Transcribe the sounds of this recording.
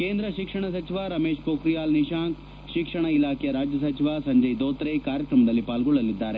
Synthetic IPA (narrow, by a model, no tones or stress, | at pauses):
keːnd̪ɾɐʃikʂɐɳɐsɐt͡ʃiʋaɾɐmeːʃpoːkɾijaːlniʃaːŋk | ʃikʂɐɳ̃ɐilaːkʰejɐɾaːd͡ʒjɐs̬ɐt͡ʃiʋasɐɲd͡ʒɐjd̪oːt̪ɾekaːɾjɐkɾɐmɐd̪ɐlːipaːlɡɔɭːɐlid̪ːaːɾe